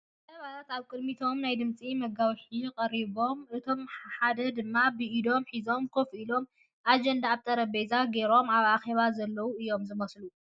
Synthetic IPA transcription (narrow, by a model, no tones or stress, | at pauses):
ʔ̪ɐβalat̪aβkʼɨd̪mit̪ʰo̞mnajd̪ɨmt͡sʼimɐɡawħikʼɐɾiβo̞mɨt̪ʰo̞mħħad̪ɐd̪ɨmːabɨʔid̪o̞mħizo̞mkʰofilo̞m | ʔad͡ʒɐnd̪aːβt̪ʰɐɾɐbezaɡe̞ɾo̞maβaxe̞βazɐlːɐwuɨjo̞mzɨmɐslu